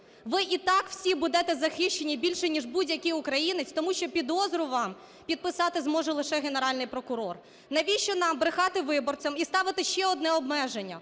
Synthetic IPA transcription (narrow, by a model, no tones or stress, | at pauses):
ʋɪʔit̪ɑkw̥sʲibud̪ɛt̪ɛzɐxɪʃt͡ʃːenʲibʲilʲʃɛnʲiʐbudʲjɐkɪʊkɾɐjinɪt͡sʲt̪ɔmuʃt͡ʃɔpʲid̪ɔzɾʊʋɑm | pʲid̪̚pɪsɑt̪ɪzmɔʒɛlˠɪʃɛɦeneɾɑlʲnɪjpɾɔkʊɾɔr | nɐʋʲiʃt͡ʃɔnɑmbɾɪxɑt̪ɪʋɪbɔrt͡sʲɐmist̪ɑʋɪt̪ɪʃt͡ʃɛɔd̪nɛɔbmɛʒenʲːɐ